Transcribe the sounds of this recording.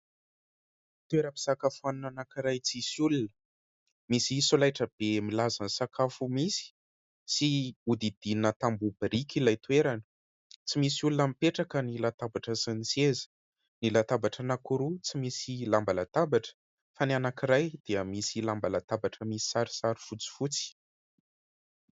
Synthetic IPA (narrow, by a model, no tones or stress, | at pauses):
t̪ueɾəpi̥sakafuanunanakiɾajt͡sisulunə | misisolajʈ͡ʂəb̥emilazansakafumisi̥ | siud̪id̪̥inət̪ambubiɾikʲilajt̪weɾanə | t͡simisiulunəmipeʈ͡ʂakənilat̪abaʈ͡ʂəsant͡sezə̥ | nilat̪abaʈ͡ʂənakuɾut͡simisilambalat̪abaʈ͡ʂə̥ | fananakiɾajd̪̥iəmisilambalat̪abaʈ͡ʂəmisi̥saɾi̥saɾifut͡si̥fut͡si̥